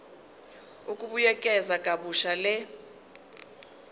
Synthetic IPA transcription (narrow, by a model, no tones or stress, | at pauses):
ukʼuɓujɛkʼɛzakʼaɓuʃalɛ